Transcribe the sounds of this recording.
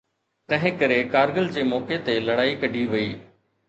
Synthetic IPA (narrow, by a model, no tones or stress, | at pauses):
t̪ɐ̃ɦɪ̃kɐɾekaːɾɡəld͡ʑeːmɔːket̪elɐɽaːikɐɖʱiʋɐiː